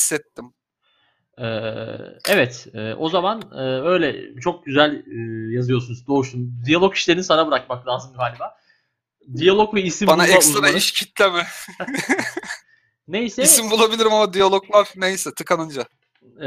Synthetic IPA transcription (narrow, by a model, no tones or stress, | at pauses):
sːɛt̪ːim | ɛːɛvɛt̪ɛ̰ːʔo̞zamanɯːø̞jlʲɛ̰t͡ʃʰo̞k̚ɟyzælʲːjazɯjo̞sunuzd̪o̞ːust̪und̪ijalˠo̞ki̥ʃlʲeɾinisaɾabɯɾak̚maklʲˠaːzɯmɡaːlʲibaː | d̪ijalˠo̞kvɛisimbanulˠaɛasuanaiʃcʰit̪lʲemɛ | nejisɛisimbulˠabilʲiɾimamad̪ijalˠoklˠaɾ̥nejsɛt̪ʰɯkʰanˠɯnd͡ʒa